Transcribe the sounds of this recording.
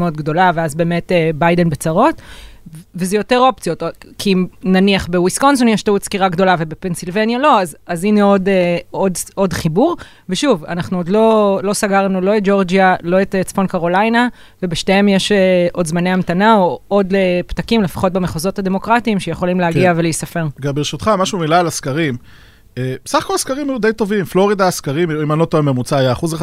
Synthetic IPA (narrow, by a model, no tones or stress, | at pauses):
eodɡdo̞laveazbe̞ːmetebajde̞nbet͡saʁo̞t | vezejo̞te̞ʁop̚t͡sijo̞tokʰiimnaniaχbewisko̞ns̬onjɛʃt̪autskiʁaɡdo̞lave̞bepe̞nsilvenjalo̞azazineo̞deododχibuʁ | veʃuva̰naχnuodlo̞lo̞saɡaʁnulo̞et̚d͡ʒo̞ʁd͡ʒialo̞et̪t͡sfo̞nkaʁo̞lajna | ve̞beʃteemjeʃeʔo̞d̪zmaneamt̪anaood̪lept̪akimlefḁχo̞t̚bemeχozo̞t̪had̪e̞mo̞kʁatiːmʃejeχo̞limleaɡɡiave̞lejisafe̞ʁɡambeʁeʃut̪χamaʃumilaːlaskaʁim | ebesaχako̞lskaʁimajud̪ejt̪o̞vimflo̞ʁid̪aːskaʁimimanlo̞t̪ovememut͡saːjaːχuze